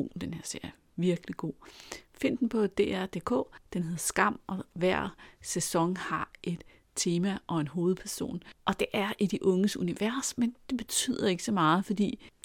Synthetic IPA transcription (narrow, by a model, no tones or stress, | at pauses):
o̝̰n̩d̥enheɐ̰seɐ̰ | ʋiɐɡ̥liɡ̥o̝̰ːfe̝n̰d̥n̩pʰɒ̽d̥e̝ːæɐ̰d̥e̝̰ːkʰɔ̰̽ːd̥enɦe̝ðˠɐsɡ̥ɑ̈m̰ʔɒ̽ʋæɐ̰sesɒ̽ŋhɑ̈ʔe̝d̥ | t͡sʰe̝ːmæʔɒ̽enɦo̝ːð̞̩ˠpʰæɐso̝̰ːnʔɒ̽d̥e̝ʔæɐʔid̥iʔɔ̽ŋəsuniʋæɐsmend̥e̝b̥e̝t͡sʰy̰ðˠɐe̝ɡ̥sɒ̽mɑ̈ːð̞̩ˠfɒ̽d̥ḭː